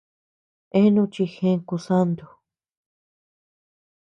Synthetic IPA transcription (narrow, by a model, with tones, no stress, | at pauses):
e˦nũ˧t͡ʃi˧xẽ˧˦ŋku˧sa˦nd̪o˧